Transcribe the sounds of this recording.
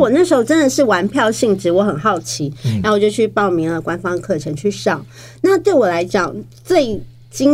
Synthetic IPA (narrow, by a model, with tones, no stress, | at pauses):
wɔ˨˩na˥˩ʂɻ̩˧˥xo˧˥ʊʈ͡ʂə˥nd̪ə˨˩ʂɻ̩˥˩wa˧˥npʰjɑ˥˧ʊɕi˥˩ŋʈ͡ʂɻ̩˧˥wɔ˧˦˥xə˨˩nxɑ˥˩ʊt͡ɕʰi˧˥ɻa˧˦nwt͡ɕjo˥˧t͡ɕʰy˥˧˩pɑ˥˩ʊmi˧˥˦ŋlə˨kwa˥nfɑ˥ŋə˨kʰɤ˥˩ʈ͡ʂʰə˧˥ŋt͡ɕʰy˥˩ʂɑ˥˩ʊ | na˥˨t̪we˥˩ɪwɔ˨˩la˧˥ɪt͡ɕjɑ˨˩ŋ | t͡swe˥˩ɪ | t͡ɕi˥